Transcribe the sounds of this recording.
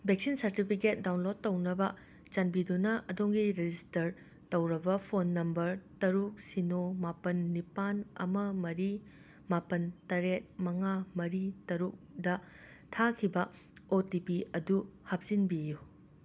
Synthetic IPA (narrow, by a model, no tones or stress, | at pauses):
bek̚sinsɐɾtipʰiket̚dawnlod̚ːɐwnɐbɐ | t͡ʃɐnbidunɐʔɐdoŋɡiɾed͡ʒistɐɾ | tɐwɾɐbɐpʰonːɐmbɐɾtɐɾuk̚sinomapɐnːipanɐ̰mɐmɐɾi | mapɐntɐɾet̚mɐŋamɐɾitɐɾuk̚dɐ | tʰakʰibɐ | otipiɐduhɐp̚z̥inbiju